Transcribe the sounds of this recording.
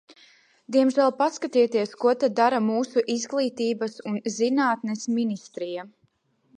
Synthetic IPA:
d̪iɛmʒælˠpaskat̪it̪iɛskuɔt̪ad̪ːaɾamuːsuʔizɡlˠiːt̪iːbɐsunzinaːt̪nɛsminist̪ɾija

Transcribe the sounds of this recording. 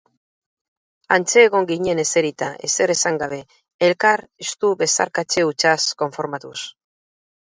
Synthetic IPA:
ant͡se̞ːɣ̞o̞ŋɡiɲe̞ne̞se̞ɾit̪aʔe̞se̞ɾesaŋɡaβ̞e̞ː | lkaɾest̪uβe̞sa̰ɾkat͡ʃe̞ut͡ʃasko̞ɱfo̞ɾmat̪us

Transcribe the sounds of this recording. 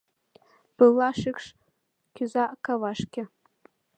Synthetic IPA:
b̥ɨlːaʂɪkʰʂ | kʲʰʊzaʔkʰawaʂkʲɪ

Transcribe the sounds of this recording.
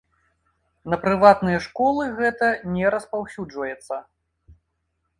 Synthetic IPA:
nɐpɾɨvat̪nɨjɐʂkɔlˠɨɣɛt̪ɐnʲɛɾɐspawsʲud͡ʐvɐjɛt̪sːɐ

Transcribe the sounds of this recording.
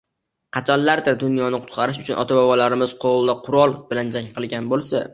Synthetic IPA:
qʰɑt͡ʃʰɒnllaɾd̪ɪd̪ʊnjɒnɪqʰʊt̪qʰɑɾɪʃʊt͡ʃʰʊnʔɒ̰t̪ʰabɒvɒlaɾɪmɪz̥qʰolˠd̪aqʰʊɾɒlˠb̥ɪland͡ʒaŋqʰɨlˠɡʲanbolˠsa

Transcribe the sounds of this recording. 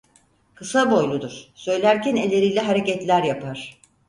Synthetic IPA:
kɯsabo̞jlˠud̪uɾ̥sø̞jlʲæɾcæne̞lʲːe̞ɾijlʲɛɦaɾe̞cɛt̪lʲæɾjapaɾ̝̥

